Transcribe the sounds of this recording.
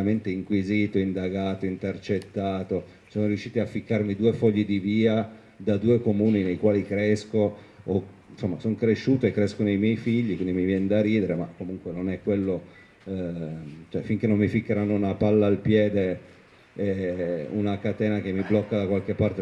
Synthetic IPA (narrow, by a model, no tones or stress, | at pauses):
ament̪eiŋkwiziːt̪oind̪aɡaːt̪oint̪ert͡ʃet̪ːaːt̪o | sonoɾiuʃːiːt̪iafːikːarmid̪uːefɔʎːid̪iviːa | d̪ad̪uːekomuːninejkwaːlikɾɛskoː | nsomːasoŋkɾeʃːuːt̪oekːɾɛskonejmjɛjfiʎːikwind̪imivjɛnd̪aɾiːd̪eɾemakːomuŋkwenonɛkːwelːo | t͡ʃoɛfiŋk̟enːomːifikːeɾanːounapalːaːlpjɛːd̪e | ɛṵnakat̪ɛːnak̟emːiblɔkːad̪akwalk̟epːart̪e